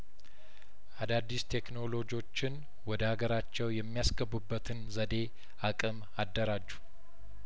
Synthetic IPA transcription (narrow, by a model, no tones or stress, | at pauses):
ʔad̪ad̪ːist̪ʰekno̞lo̞d͡ʒo̞t͡ʃːɪn | wɔd̪əhaɡəɾat͡ʃːɛwjɛmːijasɡəbːubːət̪ʰɨnzəd̪e̞ | ʔakʼɨm | ad̪ːəɾad͡ʒːu̥